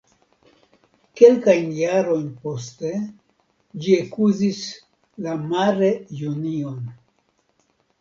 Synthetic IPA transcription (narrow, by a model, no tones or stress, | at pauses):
ke̞lkajnjaɾo̞jnpo̞ste̞ | d͡ʒiakuzis | lamaɾe̞junio̞n